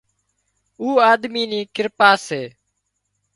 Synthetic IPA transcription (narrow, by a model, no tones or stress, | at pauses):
uːaːd̪miːniːkɪɾpaːseː